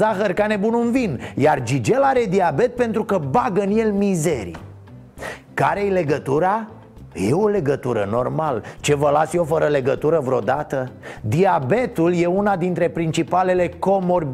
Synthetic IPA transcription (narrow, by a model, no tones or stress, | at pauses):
aɦərkane̞bununvinjard͡ʒid͡ʒe̞laɾe̞d̪iabe̞t̪̚pe̞nt̪ɾukəbaɡəɨnje̞lmize̞ɾḭ | kaɾejle̞ɡət̪uɾa | je̞o̞le̞ɡət̪uɾə̰no̞rmalt͡ʃe̞vəlasjo̞fəɾəle̞ɡət̪uɾəvɾeo̞d̪at̪əd̪iabe̞t̪ulje̞unad̪int̪ɾe̞pɾint͡ʃipale̞le̞ko̞mo̞rb